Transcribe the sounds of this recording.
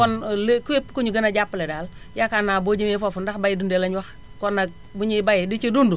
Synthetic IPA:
kɔnlekuepːkuɲuɡɐnaɟapːledal | jakanaːbod͡ʒemefofundaxbajidundɛlaɲwax | kɔnːa | buɲibajidit͡ʃedundu

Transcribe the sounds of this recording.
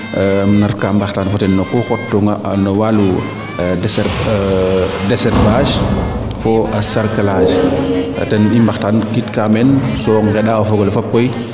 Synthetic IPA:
naɾkambaxtaːnfɔtɛnːɔkɔxɔtːɔŋɡanɔwalu | dɛsɛɾ | dɛsɛɾfaːd͡ʒ | fɔasaɾkalad͡ʒ̰ | tɛnimbaxtankitkamɛnsɔŋɡɛɗaɔfɔɡɔlɛfɔp̚kɔj

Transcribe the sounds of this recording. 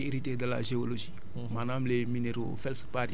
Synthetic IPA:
iɾitedala̰ʒeoloʒi | manamlemineɾo̰fɛlspaɾi

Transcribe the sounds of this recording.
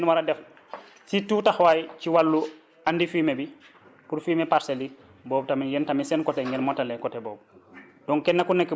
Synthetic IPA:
nwaɾadɛf | situːtaxwajciwalːu | andifimebi | puɾfiːmepaɾseli | bɔːb̚tamijɛntamisɛnkɔteŋɡelmɔtalekɔtebɔːb̚dɔŋkɛnːakunekː

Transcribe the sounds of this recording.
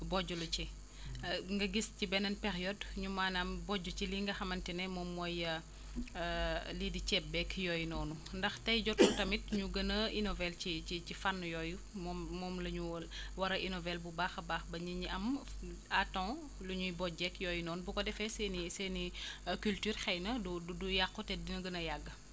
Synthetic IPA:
bɔɟulut͡ʃi | ŋɡɐɡiscibɛnɐnpɛɾjɔdɲumaːnɐmbɔɟːut͡ʃiliŋɡɐxɐmɐntɛnɛmɔːmːɔjɐ | lidit͡ʃɛp̚bɛkjɔjnɔːnu | ndɐxtɐjɟɔtutɐmit̚ɲuɡɐnɐʔinɔvɛlcit͡ʃit͡ʃifanːjɔːju | mɔːɔːmlɐɲuwɐɾɐʔinɔvɛlbubaːxɐbaːxbɐɲiɲiʔɐm | atɔ̃ | luɲujbɔɟɛkjɔːjnɔːnubukɔdɛfɛsɛnisɛnikyltyːrxɛjnɐdududujakːɔtɛdinɐɡɐnɐjaɡːɐ

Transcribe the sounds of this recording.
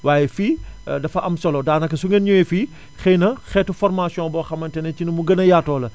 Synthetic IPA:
waːjɛfiːdɐfɐʔɐmsɔlɔdaːnɐkːɐsuŋenɲɔjɛfiː | xɛjnɐxɛːtːufɔɾmaːsjɔ̃bɔːxɐmːɐntɛnɛcinɐmuɡɐnɐjaːtɔːlɐ

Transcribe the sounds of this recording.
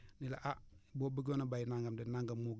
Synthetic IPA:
nilaʔabobəɡonabajinaŋɡamdɛnaŋɡamːoɡ

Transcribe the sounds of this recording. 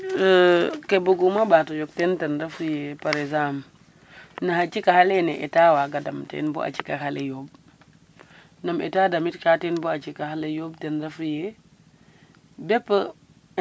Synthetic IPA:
kebuɡumabatojok̚tentenɾafujepaɾezam | nahat͡ʃikahaleneʔetawaɡadamtḛnboʔa̰t͡ʃikahalejob̚ | namḛtadamitkatenboat͡ʃikahalejobtenɾafuje | bepːə

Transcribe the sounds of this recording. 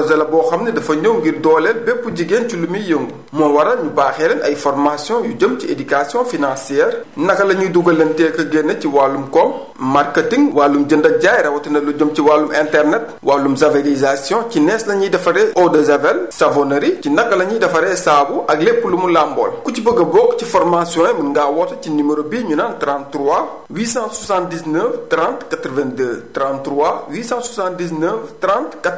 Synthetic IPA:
zɐlɐbɔːxɐmnɐdɐfɐɲowɡirdɔːlɛlbɛpːuɟiɡenculumijəŋɡu | mɔnwɐɾɐɲubaːxɛːlɛnɐ̰jfɔɾmasjɔ̃juɟəmciedikasijɔ̃finãːsiɛːɾnɐkːɐlɐɲuduɡɐlɐntɛːkɐɡenːɐciwaːlumkɔm | markətiŋɡwaːlːumɟəndɐɟajɾɐwɐtɐnɐluɟəmciwaːlumɛ̃ntɛrnɛt̚ | waːlumzɐveɾizasjɔ̃cinɛslɐɲidɐfɐɾɛʔɔdezɐvɛlsɐvɔnɐɾicinɐkːɐlɐɲidɐfɐɾɛsaːbuʔɐɡlepːulumulambɔ̰lkucibəɡɐbɔkːcifɔɾmasjɔ̃ːjɛmɐnŋɡaːwɔtɐciniməɾobiːɲunantɾãntɾua | wiːsãsusãndisnəftɾãntkɐtɾvɛntətɾãntɾuawiːsãswusãntdis̬nəftɾãntkɐ

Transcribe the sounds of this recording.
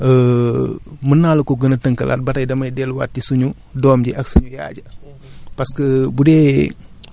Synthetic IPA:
ə | mənːaːlkɔɡənɐtəŋkɐ̰lʔa̰t̚bɐtɐjdɐmɐjdɛlwa̰ːtːisuɲu | dɔːmɟiʔɐksuɲuja̰ːɟɐ | pɐskɐbudɛː

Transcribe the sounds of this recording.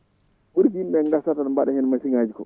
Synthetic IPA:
ɓuɾɡinbɛŋɡasatanbaɗɛhɛnmasiŋad͡ʒikɔ

